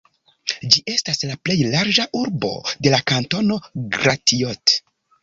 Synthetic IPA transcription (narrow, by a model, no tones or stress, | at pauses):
d͡ʒiʔe̞staslaple̞jlaɾd͡ʒaʔuɾbo̞̰de̞lakanto̞no̞ɡɾatiot